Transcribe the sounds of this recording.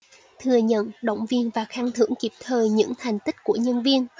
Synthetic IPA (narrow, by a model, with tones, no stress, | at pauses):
t̪ʰɨ˨˩əɲə̰˧˨nɗə̰˧˨wŋ͡mvi˧ənvaː˨˩xaː˧ŋt̪ʰɨ̰˧˥əŋki˨˩p̚t̪ʰəː˨˩jɲɨ̰˧˥ŋt̪ʰɛ˨˩jŋ̟t̪ï˦˥k̟̚ku˧˩əɲə˧nvi˧ən